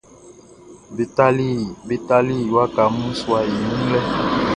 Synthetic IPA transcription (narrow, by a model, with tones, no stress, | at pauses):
be˨ta˦li˦be˨ta˦li˦˨wa˦ka˨mũ˦swa˨i˨nũ˦lɛ˦